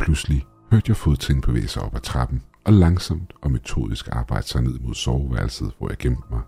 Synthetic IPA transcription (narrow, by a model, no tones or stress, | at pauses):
pʰlusli | høɐ̰d̥jɑ̈ɪfoðˠt͡sʰeŋn̩b̥e̝ʋḛːɪsɑ̈ɪɒ̽b̥æt͡sʰʁɑ̈b̥n̩ʔɒ̽lɑ̈ŋsɒ̽m̰d̥ɒ̽me̝t͡sʰo̝̰ːð̞ˠisɡ̥ɑ̈ːb̥ɑ̈ɪ̰d̥sɑ̈ɪne̝ð̰ˠmo̝ð̞̰ˠsɒːʋæɐl̩sð̩ˠʋɒ̰jɑ̈ɪɡ̥emmɑ̈ɪ